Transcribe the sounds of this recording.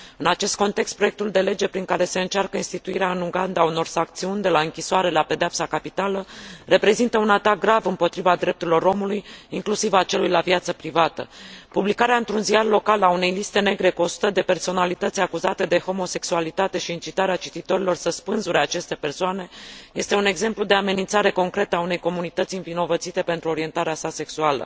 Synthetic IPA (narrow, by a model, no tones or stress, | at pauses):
ɨnat͡ʃe̞st̪̚ko̞nt̪e̞kst̪pɾoe̞k̚t̪uld̪e̞le̞d͡ʒe̞pɾiŋkaɾe̞se̞ɨnt͡ʃarkəinst̪it̪uiɾeaɨnuɡand̪auno̞rsak̚t̪siunʲd̪e̞laɨŋkʲisoaɾe̞lape̞d̪eapsakapit̪aləre̞pɾe̞zint̪əunat̪ak̚ɡɾavɨmpo̞t̪ɾivad̪ɾe̞p̚t̪uɾilo̞ɾo̞mulujiŋklusivat͡ʃe̞lujlavjat̪səpɾivat̪ə̰publikaɾeaɨnt̪ɾunziarlo̞kalaune̞jlist̪e̞ne̞ɡɾe̞kuo̞su̥t̪əd̪e̞pe̞rso̞nalit̪ət̪sʲakuzat̪e̞d̪e̞ho̞mo̞se̞ksualit̪at̪e̞ʃiɨnt͡ʃit̪aɾeat͡ʃit̪it̪o̞ɾilo̞rsəspɨnzuɾe̞at͡ʃe̞st̪e̞pe̞rsoane̞je̞st̪e̞une̞ɡze̞mplud̪e̞ame̞nint̪saɾe̞ko̞ŋkɾe̞t̪əaune̞jko̞munit̪ət̪sʲɨnvino̞vət̪sit̪e̞pe̞nt̪ɾuo̞ɾie̞nt̪aɾeasase̞ksualə̰